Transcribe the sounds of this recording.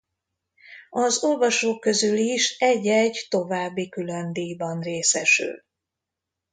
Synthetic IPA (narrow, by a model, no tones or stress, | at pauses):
ɒzo̞lvɒʃoːkːø̞zyliʃɛɟːɛɟt̪o̞vaːbːikylønd̪iːjbɒnreːsɛʃy̰l